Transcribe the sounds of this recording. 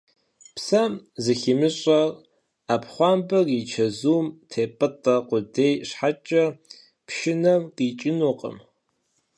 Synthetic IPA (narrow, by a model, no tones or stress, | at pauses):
psɐmzɨximɨɕʼɐr | apχʷɑːmbɐrit͡ʃʰɐzuːmtʰeːpʼɨtʼɐqʷʊdeːjɕħat͡ʃʼɐ | pʰʃɪnɐmqʼiːt͡ʃʼɪnuːqʼə̰m